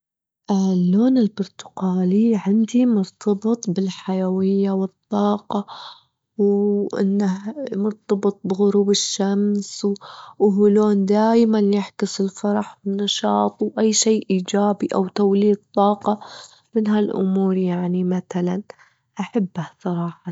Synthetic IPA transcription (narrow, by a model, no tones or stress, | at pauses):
ʔalːoːnɪlbʊɾˤt̪ʊ̥qaːliʕɪnd̪imʊɾt̪ʰɑbɨt̪ˤbɪlħajawɪjːawɨt̪ˤːɑːqɑ | wʔɪ̰nːahmʊɾt̪ˤɑbɨt̪̚ˤbɪɣʊɾuːbɪʃːamswwhʊloːnd̪aːjmanjɪħkʊsɪlfɑɾˤɑħwɪnɑʃɑːt̪ˤwʔajːʃeːʔiːd͡ʒaːbiʔawt̪awliːd̪̚t̪ˤːɑːqɑ | mɪnɦalʔʊmuːɾˤjaʕnimaθalan | ʔaħabːasˤɑɾˤɑːħɑ